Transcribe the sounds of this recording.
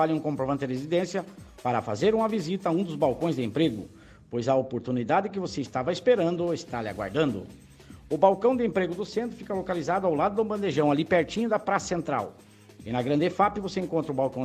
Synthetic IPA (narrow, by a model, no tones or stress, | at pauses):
aʎɪũkõpɾovɐ̃nt̪ɪʁezid̪ẽsjɐpaɾɐfa̰zeɾũmɐvizit̪ɐũd̪ʊzbawkõj̃zd̪ɪẽmpɾeɡʊ̰ | pojzɐopoɾt̪unid̪ad̪ɪk̬ɪvoseɪst̪avɐespeɾɐ̃nd̪ʊest̪aɾlɪa̰ɡwa̰ɾd̪ɐ̃nd̪ʊ̰ | ʊbawkɐ̃w̃d̪ɪẽmpɾeɡʊd̪ʊsẽnt̪ɾʊfikɐlokalizad̪ʊawlad̪ʊd̪ʊ̃bɐ̃nd̪eʒɐ̃w̃alipeɾt͡ʃĩɲʊd̪ɐpɾasɐ̥sẽnt̪ɾa̰w | ɪnɐɡɾɐ̃nd̪efapɪvoseẽŋkõt̪ɾɐʊbawkɐ̃w̃